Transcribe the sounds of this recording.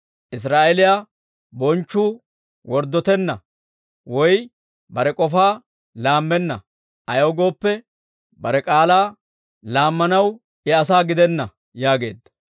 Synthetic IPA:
ʔɪs̬ɾaːʔɛlɪja | bɔnt͡ʃːuː | wɔɾd̪ɔt̪ɛnːɐ̰ | wɔj | bɐɾɛkʼɔfaː | laːmːɛnːɐ̰ | ʔɐjoːɡo̞ːpːɛ | bɐɾɛkʼaːlaː | laːmːɐnɐw | ɪɐs̬aːɡɪd̪ɛnːɐ | jaːɡe̞̰ːd̪ːɐ̥

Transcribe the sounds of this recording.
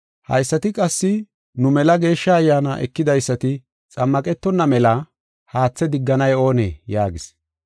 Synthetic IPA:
hɐ̰jsːɐt̪ɪkʼɐsːɪ | nʊmɛlɐɡe̞ːʃːɐːjːaːna̰ʔɛ̰kːɪd̪ɐjsːɐt̪ɪ | t͡sʼɐmːɐkʼɛt̪ːɔnːɐmɛlɐ | haːt͡sːɛd̪ɪɡːɐnɐjo̞ːnḛːjaːɡɪs

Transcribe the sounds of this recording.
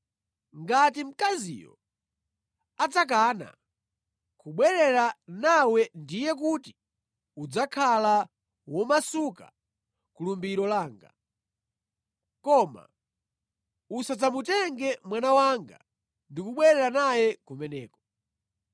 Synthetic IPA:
ŋɡat̬im̩kazḭjɔ̰ | ad͡zak̬ana̰ | kuɓwɛɾɛɾanawɛndijɛk̬uti̥ | ud͡zakʰala | wɔmasuka̰ | kulumbiɾɔlaːŋɡa̰ | kɔma̰ | usad͡zamutɛŋɡɛmwanawaŋɡa̰ | ndikuɓwɛɾɛɾanajɛkumɛnɛːkɔ̥

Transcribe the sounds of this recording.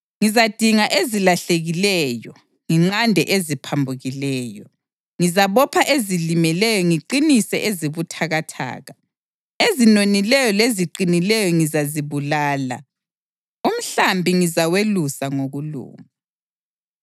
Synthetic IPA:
ŋizad̥ʱiŋaʔezilaɬeɣilɛːjɔ | ŋiŋ͡ǁandʱɛʔezipʰambʱuɣilɛːjɔ | ŋizaβɔpʰaʔezilimɛlɛjɔŋiǃinisɛʔeziβutʰaɣatʰa̰ːɣa | ezinonilɛjɔleziǃinilɛjɔŋizaziβulaːla̰ | um̩ɬambʱiŋizawelusaŋoɣulṵːŋa

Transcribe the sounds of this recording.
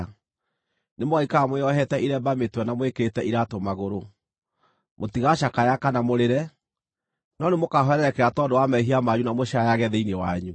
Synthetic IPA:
nemwaikamweɔɦɛtɛʔiɾɛbametwɛnamwekeɾetɛʔiɾatomaɣoɾo | motiɣaʃakajakanamoɾeɾɛ | nɔnemokaɦɔɛɾɛɾɛkɛɾatɔdowamɛɦiamaɲunamoʃajaɣɛðɛinewaɲu

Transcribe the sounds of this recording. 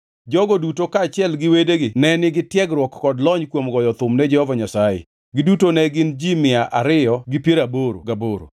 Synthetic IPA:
d͡ʒɔɡodutokaːt͡ʃɪɛlɡɪwedeɡɪnɛnɪɡɪtjɛɡɾwɔkːɔdlɔɲkwomɡɔjɔt̪ʊmnɛd͡ʒɛhɔvaɲasajḛ | ɡɪdutonɛɡɪnd͡ʒimɪaʔaɾɪjɔɡɪpjeɾaboɾo̰ɡaboɾo̰

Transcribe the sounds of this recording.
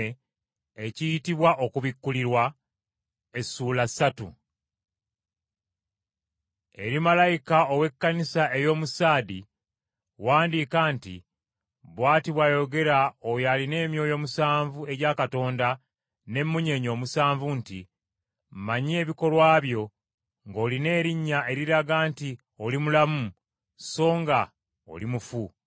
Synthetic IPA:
ecijitiβwaʔo̞kuβikːuliɾwa | e̞suːlasːatṵ | e̞ɾimalajikaowe̞kːanisae̞jo̞ːmusaːdi | waːndiːkantḭ | βwaːtiβwajo̞ɡe̞ɾaojaline̞ːmjo̞ːjo̞ːmusaːɱvue̞ɟaːkato̞ːnda | ne̞mːuɲe̞ɲo̞ːmusaːɱvuntḭ | mmaɲie̞ːβiko̞lwaːβjo̞ | ŋɡo̞ːline̞ːɾiɲːaʔe̞ɾiɾaɡaːnti | o̞limulamu | so̞ːŋɡa | o̞̰limufu

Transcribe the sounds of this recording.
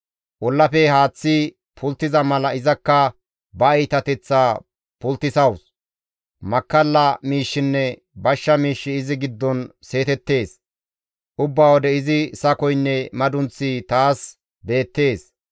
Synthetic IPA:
ʔɔlːɐpɛhaːt͡sːɪ | pʰʊlt̪ːɪzɐmɐlɐɪzɐkːɐ | bɐɐjt̪ɐt̪ɛt͡sːaː | pʊlt̪ːɪsɐws | mɐkːɐlːɐmiːʃːɪnːɛ | bɐʃːɐmiːʃːɪɪzɪɡɪd̪ːɔnse̞ːt̪ɛt̪ːe̞ːs | ʔʊbːaːwɔd̪ɛɪzɪsɐkɔjnːɛmɐd̪ʊnt͡sːɪt̪aːs | be̞ːt̪ːe̞ːs

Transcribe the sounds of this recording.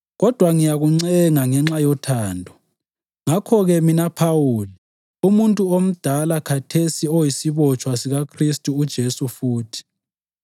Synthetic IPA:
ɣɔd̥ʱwaŋijaɣuŋ͡ǀɛŋaŋɛŋ͡ǁajɔtʰaːndʱɔ | ŋakʰɔɣɛminapʰawuːli | umuntʼuom̩d̥ʱalakʰatʰesiɔjisiβɔt͡ʃʼwasiɣakʰristʼuːd̥ʒ̥ʱesufuːtʰi̥

